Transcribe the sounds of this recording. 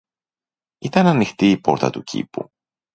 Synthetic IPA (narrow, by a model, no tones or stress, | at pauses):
it̪ɐnɐnixt̪iːpo̞̰ɾt̪ɐ̰t̪ucʰḭpṵ